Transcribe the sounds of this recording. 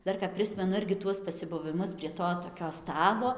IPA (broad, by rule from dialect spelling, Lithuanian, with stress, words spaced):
ˈdɐr kɐp ˈpʲrʲɪsʲmʲɛnʊ ˈɪrʲɡʲɪ ˈtuɔs pɐsʲɪbʊʋʲɪˈmʊs pʲrʲiɛ ˈtoː toːˈkʲoː ˈstɑːlˠoː